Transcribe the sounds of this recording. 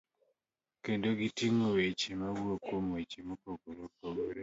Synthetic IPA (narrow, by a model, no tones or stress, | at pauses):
kendoɡitiŋowet͡ʃimawuokomwet͡ʃemokoɡoɾokoɡoɾe